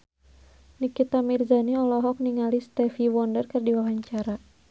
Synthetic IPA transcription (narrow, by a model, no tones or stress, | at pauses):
nikit̪amirzaniɔlɔɦɔk̚niŋalist̪ɛfiwɔndərkərdiwawaɲt͡ʃaɾa